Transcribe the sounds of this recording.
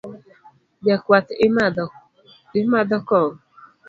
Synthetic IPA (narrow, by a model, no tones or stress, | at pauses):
bjakwat | ɪmadɔkɔŋ